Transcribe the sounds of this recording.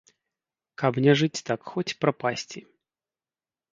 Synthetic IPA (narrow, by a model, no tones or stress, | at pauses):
kɐpnʲɛʐɨt͡sʲt̪akxɔt͡sʲpɾapasʲt͡sʲi